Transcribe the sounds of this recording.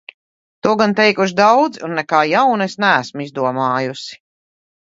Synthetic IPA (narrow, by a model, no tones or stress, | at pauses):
t̪uɔɡant̪ɛjkuʃ̬d̪awd̪zunːɛkaːjawnesnææsmizd̪uɔmaːjusi̥